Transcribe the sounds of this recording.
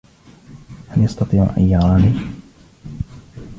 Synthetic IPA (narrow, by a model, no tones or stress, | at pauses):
haljɑst̪ɑt̪ˤiːʕʔa̰njaʕaːni